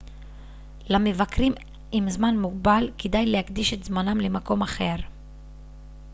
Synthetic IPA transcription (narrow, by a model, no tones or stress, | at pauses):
lame̞vakʁim | imzmanmuɡ̚balked̪ajlehakd̪iʃet̪zmanamlemako̞maχe̞ʁ